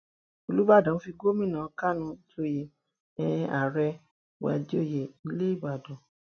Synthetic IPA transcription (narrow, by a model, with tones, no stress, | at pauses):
o˨lu˦ba˦˨dã˨n̩˦fi˧ɡo˦mĩ˦˨nã˨˧˨ka˦˨nũ˧˦d͡ʒo˦˨je˨ | ɛ˨˧a˨ɾɛ˧ | wa̰˧˨d͡ʒo˦˨je˨i˧˦le˦i˦˨ba˨dɔ̃˨